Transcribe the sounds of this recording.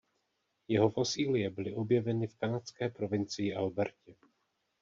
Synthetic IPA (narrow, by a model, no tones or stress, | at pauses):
jɛɦo̞fosiːlɪjɛbɪlɪʔo̞bjɛvɛnɪfkanat͡skɛːpɾo̞vɪnt͡sɪjɪʔalbɛɾcɛ